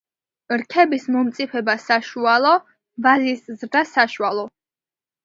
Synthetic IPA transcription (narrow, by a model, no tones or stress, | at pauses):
ɾkʰɛbismɔmt̪sʼipʰɛbasaʃualˠɔ | vaziszɾd̪asaʃualˠɔ